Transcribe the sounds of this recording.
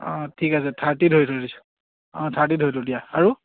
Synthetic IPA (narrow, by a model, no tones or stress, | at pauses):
ɔ̃tʰikasɛtʰaɹtidʱɦojtʰodisu̥ | ɔ̃tʰaɹt̬idɦojtʰodijaaɹu